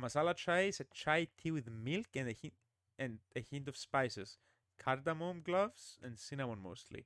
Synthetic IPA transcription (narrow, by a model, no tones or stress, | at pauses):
masalat͡ʃajɪsət͡ʃajt̪ʰiwɪðmɪlkɨ̃nɨĩ | ɨ̃nɨhĩnt̪ɔv̥spajsɪs | kʰaɾd̪amõmɡlʌvsɨ̰̃nsinamõnmo̰st̪ʰlḭ